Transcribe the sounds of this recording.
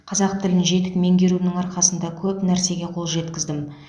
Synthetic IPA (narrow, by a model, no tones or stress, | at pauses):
qʰɑzɑqt̪ʰɪlɪnʒe̞t̪ɪkme̞ŋɡʲe̞ɾunɪŋɑɾqɑsənd̪ɑkʲʰɵpnæɾse̞ɡʲe̞qʰo̞lˠʒe̞t̪kʲɪzd̪ɪm